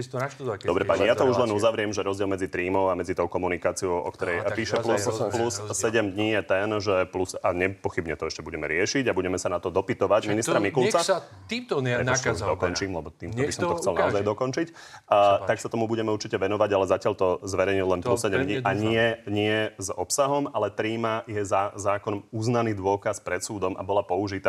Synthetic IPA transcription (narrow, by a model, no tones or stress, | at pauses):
t̪d̪d̪ɔbɾɛpaɲijat̪ɔuʒlɛnuzaʋɾɪɛmʒɛɾɔzɟɪɛlmɛd͡zit̪ɾiːmɔʊamɛd͡zit̪ɔʊkɔmunikaːt͡siɔʊɔ̰kt̪ɔɾɛjpiːʃɛplusplussɛɟɛmd̪ɲijɛt̪ɛnʒɛplusaɲɛpɔxibɲɛt̪ɔɛʃcɛbuɟɛmɛɾɪɛʃiɟabuɟɛmɛsanat̪ɔd̪ɔpit̪ɔʋaɟminist̪ɾamikulˠt͡sa | t̪iːmt̪ɔɛɔd̪ɔkɔnt͡ʃiːmlɛbɔt̪iːmt̪ɔbisɔmt̪ɔxkt͡sɛlnaɔzajd̪ɔkɔnt͡ʃicː | t̪aksat̪ɔmubuɟɛmɛuɾt͡ʃicɛʋɛnɔʋaɟalɛzacɪaʎt̪ɔzʋɛɾɛjɲillɛnplussɛɟɛd̪ɲiʔaɲɪɛɲɪɛzɔpsaɦɔmalɛt̪ɾiːmajɛzazaːkɔnɔmuznaniːd̪ʊɔkaspɾɛt̪suːd̪ɔmʔa̰bɔlapɔuʒit̪a